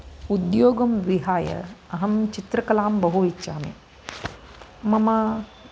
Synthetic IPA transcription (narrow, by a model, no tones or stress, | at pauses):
ud̪joːɡɐmʋiɦaːjɐ̰ɐɦɐmt͡ʃit̪ɾɐkɐlaːmbɐɦuitːʃaːmḛ | mɐmɐ